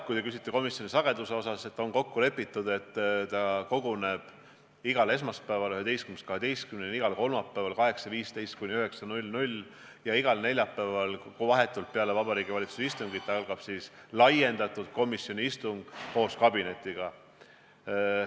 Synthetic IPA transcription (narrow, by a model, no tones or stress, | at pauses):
kujt̪ekysi̥t̪ːˑeko̞misjo̞nisɑɡ̥e̞d̪̥use̞o̞sɑse̞t̪ːˑo̞nko̞kːule̞pːˑit̪ːˑud̪̥e̞t̪ːt̪ɑko̞ɡ̥une̞b̥ | iɡ̥ɑle̞s̬mɑspæːvɑlyhɦe̞d̪e̞jst̪kymnest̪kɑɦed̪e̞jst̪kymneniɡ̥ɑlko̞lmɑpːˑæːvɑlkɑɦe̞ksɑviːst̪e̞jst̪̚kunʲiyɦe̞ksɑnulʲnulʲ | jɑiɡ̥ɑlne̞lʲjɑpːævɑlkovɑɦet̪ːˑult̪̚peɑle̞vɑb̥ɑɾiːɡivɑlit̪su̥sist̪uŋɡit̪t̪ːɑɑlɡ̥ɑb̥sislɑje̞nd̪̥ɑt̪ˑud̪̥̚ko̞misjo̞nʲiist̪uŋɡ̥ko̞ːskɑbine̞t̪ːˑiɡ̥ɑ